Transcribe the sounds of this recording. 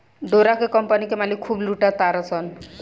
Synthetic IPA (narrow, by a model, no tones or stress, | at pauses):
ɖoɾakekɔmpanikemalikʰːubluʈat̪aɾɔsɔn